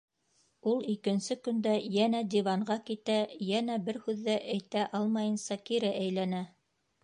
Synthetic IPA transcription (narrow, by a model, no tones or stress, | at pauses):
ulˠikɘ̆nsɵkɵ̆nd̪æjænæd̪ʲivɑɴɢɑkit̪æjænæbɘɾhʉðːæʔæjt̪æʔɑlˠmɑjɤ̆nsɑkiɾɘʔæjlænæ